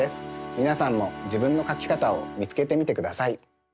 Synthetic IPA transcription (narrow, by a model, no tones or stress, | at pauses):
esɨ̥mʲinasãmːo̞d͡ʑibɯ̟̃nːo̞kakʲi̥kat̪aomʲit͡sɨ̥ke̞t̪e̞mʲit̪e̞kɯ̟d̪asai